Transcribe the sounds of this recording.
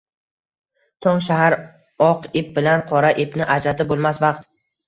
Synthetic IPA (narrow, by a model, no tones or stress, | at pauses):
t̪ʰoŋʃahaɾ | ɒqep̚bɪlanqʰɒɾaʔepnɪʔad͡ʒɾat̪ʰɪbolˠmasvɑqt̪